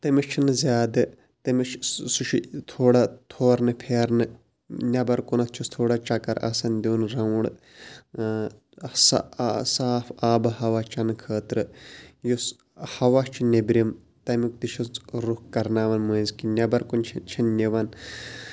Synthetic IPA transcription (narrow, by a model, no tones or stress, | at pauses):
t̪ɐmit͡ʃʰinɨzʲaːd̪ɨ | t̪ɐmit͡ʃʰsuʃʰit̪ʰoːɽat̪ʰoːɾnɨpʰeːɾnɨ | nʲɐbɐɾkunɐt̪̚ʰt͡ʃʰust̪ʰoːɽat͡ʃɐkɐɾʔɐ̰sɐnd̪ʲuːnɾɐɽ | ssaːfʰaːbɨhɐʋat͡ʃɐnɨkʰəːt̪ɾɨjos | hɐʋat͡ʃʰinʲebɾʲim | t̪ɐmik̚t̪iʃʰut͡sɾukkɐɾnaːʋɐnmɐjzkinʲɐbɐɾkunt͡ʃʰt͡ʃʰɐnnʲeʋɐn